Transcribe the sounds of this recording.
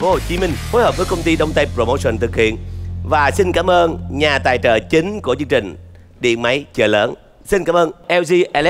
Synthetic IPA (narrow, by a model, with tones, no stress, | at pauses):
vo˧˨˩t͡ɕi˨˦mï˧ŋ̟fo˨˦jhəː˨˩p̚vəː˨˦jkə˧wŋ͡mt̪i˧ɗə˧wŋ͡mt̪a˧jpɾo˧˩mo˧sə˨˩nt̪ʰɨ˨˩k̚hḭ˧˨ənvaː˨˩sï˧nkaː˨˦mʔəː˧nɲaː˨˩t̪a̰ː˧˨˩jt͡ɕə̰ː˧˨˩t͡ɕi˨˦ŋ̟ku˧˩ət͡ɕɨ˧ŋt͡ɕï˨˩ŋ̟ | ɗḭ˧˨ənma˨˦jt͡ɕəː˧˩ləː˨˦n | si˧nkaː˨˦mʔəː˧nʔɛ˧wzi˧ʔɛ˧l